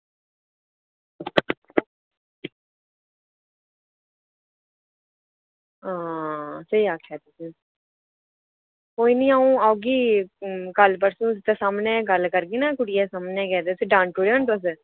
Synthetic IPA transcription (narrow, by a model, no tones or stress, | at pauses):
ãːsəiːaːkʰɛːt̪ʊsi | koːiːnĩːaːũːaːɡiːkəlpəɾsũːst̪eːsaːmnɛ̃ːɡəlkəɾɡiːnãːkʊɽɪjɛːsaːmnɛ̃ːkɛːd̪eːsiɖãːɳʈoːɾaːnt̪ʊs̬